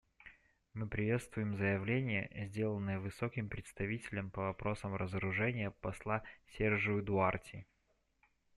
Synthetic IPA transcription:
mɨpɾʲɪvʲe̞t̪st̪vʊjɪmzəjɪvlʲenʲɪjə̰zʲdʲelˠənːɨjəvɨsokʲɪmpɾʲɪt̪st̪ɐvʲitʲɪlʲəmpəvɐpɾo̞səmrəzəɾʊʐɛnʲɪjəpɐslˠasʲerʐɨʊd̪ʊartʲɪ

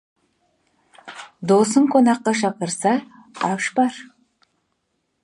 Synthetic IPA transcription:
d̪osəŋqʰonɑqːɑʃɑqəɾsɑ | ɑʃbɑɾ

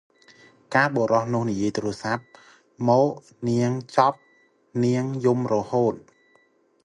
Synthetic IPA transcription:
kaːɓoɾɑhnʊ̆əhnijiəjt̪ruəsap̚ | mɔːʔ | niəŋt͡ɕɑp̚ | niəŋjumrɔhoːt̪̚

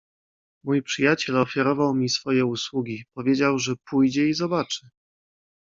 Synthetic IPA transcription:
mujpʂɘjat͡ɕɛlɔfʲjaɾɔvawmʲisfɔjɛuswuɡʲipɔvʲjed͡ʑawʐɛpujd͡ʑɛizɔbat͡ʂɘ̥

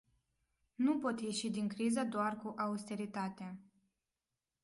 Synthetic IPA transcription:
nupo̞t̪je̞ʃid̪iŋkɾizəd̪oarkuʔaust̪e̞ɾit̪at̪a

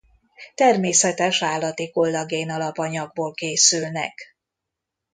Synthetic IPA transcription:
t̪ɛrmeːsɛt̪ɛʃaːlːɒt̪eːko̞ld̪ɒɡeːnɒlɒpɒɲɒɡboːlkeːsylnɛ̰k

